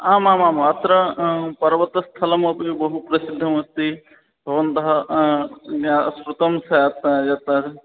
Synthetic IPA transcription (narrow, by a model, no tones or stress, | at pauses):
aːmãmaːmuɐt̪ɾɐpɐɾʋɐt̪ːst̪ʰɐlɐmɐpbɐɦupɾɐsid̪ʱːɐmɐst̪i | bʱɐʋɐnt̪ɐɦɐ | asɾut̪ɐmsɐt̪jɐt̪ɐɾ